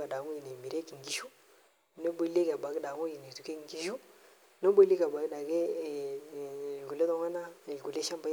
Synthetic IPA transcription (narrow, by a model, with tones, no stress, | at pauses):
a˨da˨ŋu˦ji˨ne˨mi˨ɾe˦ki˨ŋ˨ɡi˨˦ʃu˦ | no˦bo˨˦le˦ka˨ba˨ɡda˨ŋo˦ji˨ne˨tu˨ke˦˨ŋ˨ɡi˦ʃu˦ | no˦bo˦li˦ka˨ba˨ɡda˨ɡe˦˨ | ɡu˨le˦tɔ˦ŋa˦na˦˨ɡu˨le˦ʃa˦mba˦